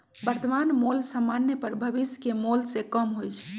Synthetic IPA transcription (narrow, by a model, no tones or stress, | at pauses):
bəɾt̪əmanmolsəmːanjepəɾbʱəbiskemolsekəmɦojt͡ʃʰ